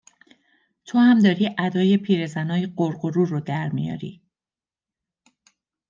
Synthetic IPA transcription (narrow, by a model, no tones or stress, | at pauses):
t̪ʰohæmd̪ɒːɾiːʔæd̪ɒːjepʰiːɾe̞zænɒːjeɢoɾɢoɾuːrod̪æɾmḭjɒ̰ːɾḭː